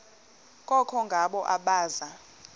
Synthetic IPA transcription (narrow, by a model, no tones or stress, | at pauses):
k̬ʼɔkʰɔŋɡʱaɓɔʔaɓaːza